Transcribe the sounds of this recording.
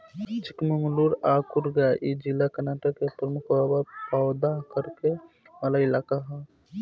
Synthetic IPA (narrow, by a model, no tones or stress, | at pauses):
t͡ʃɪkməŋluɾaːkuɾɡaʔid͡ʒilakənaːʈəkːepɾəmʊkʋaːbapawd̪akəɾke | mɐlaɪlaːkaɦɛ